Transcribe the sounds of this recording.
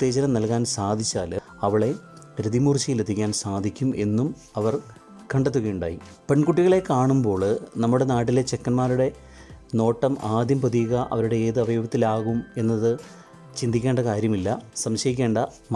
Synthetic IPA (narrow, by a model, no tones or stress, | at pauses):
ut̪ːe̞ːt͡ɕɐɾɐmnɐlkaːnsaːd̪ʱit͡ɕːaːl | ɐʋiɭe̞ | ɾid̪imuːrt͡ɕːɐjilet̪ʰːikʲːaːnsaːd̪ʱikʲːumʔe̞nːum | ɐʋɐr | kɐɳɖɐt̪̬ːuɣɐjuɳɖa̰ːji | pe̞ɳkuʈːiɣɐɭe̞kaːɳumbo̞ːɭnɐmːuɽe̞naːʈ̬ːilet͡ɕekːɐnmaːɾuɽe̞ | no̞ːʈːɐmaːd̪ʱjɐmpoðiɣɐʔɐ̰ʋɐɾuɽe̞eːðɨɐʋɐjoːɡɐt̪ːilaːɣume̞nːɐðɨ | t͡ɕind̪ʱikʲːe̞ːɳɖɐkaːɾjɐmilːɐsɐmɕɐjikʲːe̞ːɳɖɐ | m